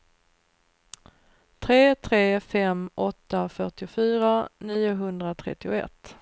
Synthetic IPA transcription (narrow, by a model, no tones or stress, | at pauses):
t̪ʰɾeːt̪ʰɾeːfɛmʔɔt̪ːafœʈɪʊfyːɾaniːʊɦɵnd̪ɾat̪ʰɾɛ̰t̪ːɪʊɛ̰t̪ː